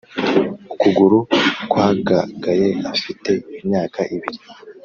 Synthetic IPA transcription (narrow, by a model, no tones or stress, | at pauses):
ukuɡuɾukwaːɡaɡajeafite̞imɲaːkaʔiβiɾi